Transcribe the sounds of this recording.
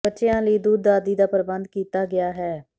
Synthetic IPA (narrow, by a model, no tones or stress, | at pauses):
bətːʃɪjãːləiːd̪uːd̪ːaːd̪iːd̪aːpəɾbənd̪̚kiːt̪aːɡɪjaːɦɛː